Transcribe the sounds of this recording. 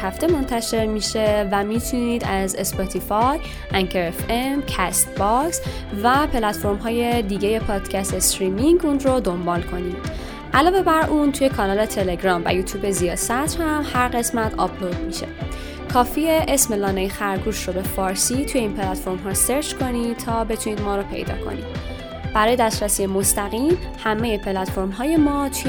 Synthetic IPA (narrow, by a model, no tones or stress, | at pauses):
hæft̪e̞mo̞nt̪ʰæʃe̞ɾmiʃe̞væmit̪ʰuniːd̪æzesbɒt̪ʰifɒj | ʔæŋkʰeɾefemcʰæst̪bɒksvæpʰe̞læt̪fo̞ɾmɦɒːje̞d̪iːɟe̞je̞pʰɒːd̪̥cʰæst̪esɾimiŋɟunɾod̪o̞mbɒːlkʰo̞nid | ʔælɒːve̞bæɾʔunt̪ʰuje̞kʰɒnɒːle̞t̪ʰeleɡɾɒːmvæ̰juːt̪ʰjuːbe̞zijɒːsæt̪ʰhæmhæɾɢe̞smæt̪ʰɒ̰blod̪miʃe̞̰ | kʰɒːfieʔesme̞lɒːnejxæɾɡuʃrobe̞fɒːɾsit̪ʰuje̞iːnpʰelæt̪fo̞ɾmɦɒːse̞ɾt͡ʃkʰo̞niːt̪ʰɒːbe̞t̪ʰuniːd̪mɒːɾopʰe̞̰jd̪ɒ̰ːkʰo̞̰nḭd̪̚ | b̥æɾɒːje̞d̪æst̪ɾæsiːemo̞st̪æɣiːm | hæmejepʰelæt̪fo̞ɾmɦɒːje̞mɒːt̪ʰu